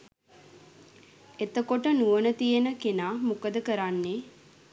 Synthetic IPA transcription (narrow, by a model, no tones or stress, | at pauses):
et̪əkoʈənuʋənət̪ijənəkenaːmukəd̪əkəɾanːe